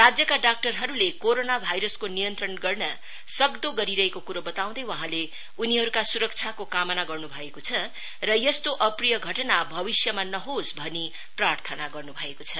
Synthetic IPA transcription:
rad͡zjʌkaɖak̚ʈʌrɦʌɾulekoɾonabʱajɾʌskonijʌnt̪ɾʌnɡʌrnʌ | sʌɡd̪oɡʌɾiɾʌɦekokuɾʌbʌt̪aw̃d̪ʌjwʌɦãle | uniɦʌɾukasuɾʌk̚t͡sʰjakokamʌnaɡʌrnubʱʌekot͡sʰʌ | rʌjʌst̪oʔʌprijʌɡʱʌʈnabʱʌbisjʌmanʌɦosbʱʌni | prarɾt̪ʰʌnaɡʌrnubʱʌekot͡sʰʌ

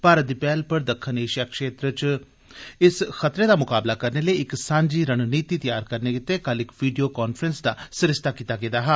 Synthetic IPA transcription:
paːɾət̪̚d̪iːpɛːlpəɾd̪əkʰːəneːʃjaːkʃeːt̪ɾət͡ʃ | ɪsxət̪ɾeːd̪aːmʊkaːblaːkəɾneləiɪksãːɲd͡ʒiːɾənniːt̪iːt̪əjaːɾkəɾneːkɪt̪ːekəlɪkʋiːɖijoːkaːnfɾənsd̪aːsɪɾɪst̪aːkiːt̪aːɡed̪aːɦɛː

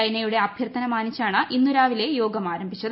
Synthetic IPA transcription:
ɐjnɐjuɽe̞ɐbʱjɐrt̪ʰɐnɐmaːnit͡ɕːaːɳɨʔinːuɾaːʋile̞jo̞ːɡɐmaːɾɐmbʱit͡ɕːɐð

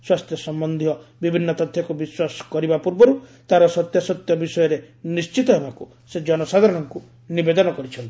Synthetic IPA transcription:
swast̪ʰjɔsɔmbɔnd̪ʱijɔbibʱinːɔt̪ɔt̪ʰːjɔkubiswasɔ̥kɔɾibapuɾbɔɾut̪aɾɔsɔt̪jasɔt̪jɔbisɔjɔɾe | nist͡ʃit̪ɔɦemaku | sed͡ʒɔnɔsaɡɔɾɔɽɔŋku | nibed̪ɔnɔkɔɾit͡ʃʰɔnt̪

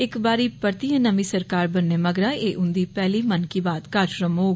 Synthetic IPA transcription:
ɪkbaːɾiːpəɾt̪iːə̃nəmĩːsəɾkaːɾbənːeːməɡɾaːeːʔʊnd̪iːpɛːliːmənkiːbaːd̪kaːʃɾəmɦoː

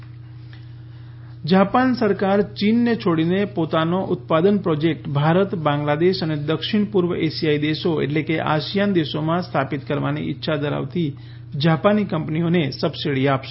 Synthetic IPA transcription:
d͡ʒapansəɾkaɾt͡ʃinːet͡ʃʰoɽinepot̪anoʔʊt̪̚pad̪ənpɾɔd͡ʒek̚ʈbʱaɾət̪bãŋɡlad̪eʃəned̪əkʃɪɳ̃pʊɾʋəʔesijaid̪eʃoḛʈlekeʔa̰ʃijand̪eʃomãst̪ʰapit̪kəɾʋanḭɪtːʃʰad̪əɾa̰ʋt̪i | d͡ʒapanikəmpnionesəbsiɽiapʃe̥

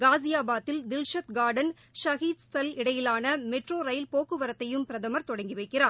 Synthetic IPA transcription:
ɡaːzɪjaːbaːt̪ːɪld̪ɪlʂɐt̪ɡaːɾɖɐn | ʃɐɣiːt̪st̪ɐlɪɽɐjɪlaːnɐmɛʈroːɾɐɪlpoːkːɯʋɐɾɐt̪ːɐjɯmpɪɾɐðɐmɐɾt̪ɔɽɐŋɡɪʋɐɪkːɪraːɾ

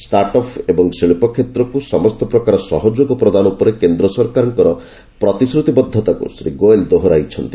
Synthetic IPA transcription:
sʈaɾʈɔpʰebɔŋsiɭpɔkʰːet̪ɾɔkusɔmɔst̪ɔpɾɔkaɾɔsɔɦɔd͡ʒoɡɔpɾɔd̪anupɔɾekend̪ɾɔsɔɾkaɾɔŋkɔɾɔ | pɾɔt̪isɾut̪ibɔd̪ʱːɔt̪akṵsɾḭɡoeld̪oɦɔɾajt͡ʃʰɔnt̪i

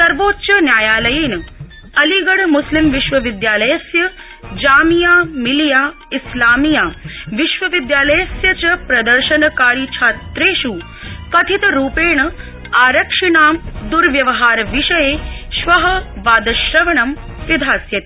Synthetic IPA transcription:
sɐɾʋoːt̪ːʃɐnjaːjaːlɐjiːnɐ | ɐliɡɐɽmuslimʋiʃʋɐʋid̪jaːlɐjɐsjɐ | d͡ʒaːmijaːmilijaː | islaːmijaːʋiʃʋɐʋid̪jaːlɐjɐsjɐt͡ʃɐpɾɐd̪ɐɾʃɐnɐkaːɾjit͡ʃʰaːt̪ɾeːʃu | kɐt̪ʰit̪ɐɾuːpeːɳɐ | aːɾɐkʂiɳaːmd̪uɾʋjɐʋɐɦaːɾɐʋiʃɐjeːʃʋɐɦɐʋaːd̪ɐʃɾɐʋɐɳɐm | ʋɐd̪ʱaːsjɐt̪

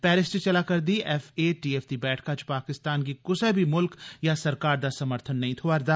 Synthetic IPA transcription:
pɛːɾɪst͡ʃt͡ʃɐlakɐɾd̪iʔɛfeːʈiːɛːft̪ibɛːʈʰkat͡ʃʰpaːkɪst̪aːnkikʊsebʱimʊlkjasɐɾkaːɾd̪asɐməɾt̪ʰənːɐɦĩt̪ʰoaɾd̪aː

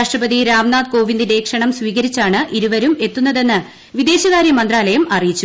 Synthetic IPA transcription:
aːʂʈrɐbɐðiɾaːmnaːd̪ko̞ːʋind̪ine̞ːkʂɐɳɐmsʋiːɣɐɾit͡ɕːaːɳɨʔiɾuʋɐɾume̞t̪ːunːɐðe̞nːɨ | ʋid̪e̞ːɕɐɣaːɾjɐmɐnd̪raːlɐjɐmɐrijit͡ɕːu

